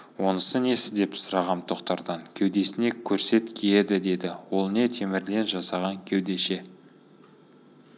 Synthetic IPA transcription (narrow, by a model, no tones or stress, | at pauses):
wo̞nəsəne̞sɪzd̪e̞psʊɾɑʁɑmt̪ʰo̞qt̪ɑɾd̪ɑŋkʲʰewd̪e̞sɪne̞kʲʰɵɾse̞t̪kʲʰejed̪ɪd̪e̞d̪ɪwo̞lˠne̞t̪ʰe̞mɪɾle̞nʒɑsɑʁɑŋkʲʰewd̪e̞ʃe̞